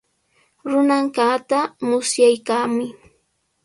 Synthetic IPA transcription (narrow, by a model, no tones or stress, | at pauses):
ɾʊnaŋkat̪amʊsjajkaːmʊj